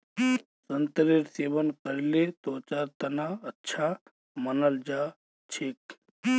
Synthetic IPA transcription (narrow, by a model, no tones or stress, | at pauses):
sənt̪əɾiɾseːʋənkəɾilet̪oːt͡ʃaːɾt̪ɐnaɐtːʃʰa | mənəld͡ʒa | t͡ʃʰik